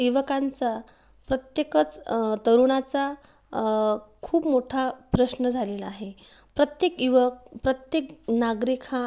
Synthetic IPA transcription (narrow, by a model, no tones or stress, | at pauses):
iʋəkant͡sa | pɾət̪jekət͡st̪əɾuɽ̃at͡sa | kʰuːpmoʈʰapɾəɕnəd͡zʱalelaːɦe | pɾət̪jekiʋək̚pɾət̪jeknaɡɾikʰa